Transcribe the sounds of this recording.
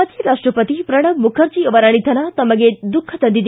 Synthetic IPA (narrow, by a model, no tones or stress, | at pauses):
ɐd͡ʒiɾasʈɾɔpət̪ipɾɐɽ̃ɐmmukʰɐɾd͡ʒiʋɐɾaɽ̃it̪ʰɐnat̪ɐmɐɡed̪ukʰːɐt̪ɐnd̪id̪